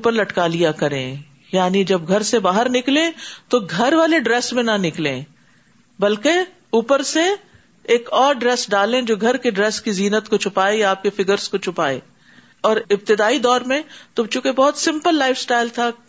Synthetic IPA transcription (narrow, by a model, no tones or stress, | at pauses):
pəɾlɐʈkaːlijakɐɾḛ̃ | jaːnid͡ʒɐbɡʱɐɾsebaːɦəɾnɪklẽt̪oɡʱɐɾʋaːleɖɾɛːsmẽnɐnɪklḛ̃ | bɐlke | uːpəɾse | eːkɔːɾɖɾɛːsɖaːlẽd͡ʒoːɡʱɐɾkeɖɾɛːskiziːnət̪kot͡ʃʰʊpaːejaaːp̚kefɪɡəɾzkot͡ʃʰʊpaːḛː | ɔːɾɪb̚t̪ɪd̪aːid̪ɔːɾmẽt̪ot͡ʃũːkebɔːt̪sɪ̃mpəlːaːɪfsʈaːɪlt̪ʰa